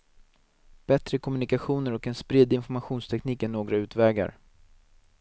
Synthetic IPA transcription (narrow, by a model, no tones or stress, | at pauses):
b̥ɛt̪ɾəkʰɔmɵnɪkaɧuːnəɾɔkɛnspɾɪd̪ɪnfɔɾmaɧuːnst̪ʰɛkniːkənːoːɡɾaʉ̟ːt̪vɛːɡa̰ɾ